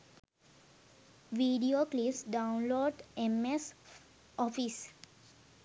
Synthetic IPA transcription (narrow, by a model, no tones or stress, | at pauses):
ʋiɖioːklisɖãʊnloːɖemes | ɔfis